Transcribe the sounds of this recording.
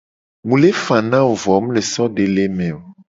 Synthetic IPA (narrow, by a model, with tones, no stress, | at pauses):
mũ˨le˦fã˨nã˦wo˨vɔ˨˦m˦le˨sɔ˦ɖe˨le˦mɛ̃˨o˨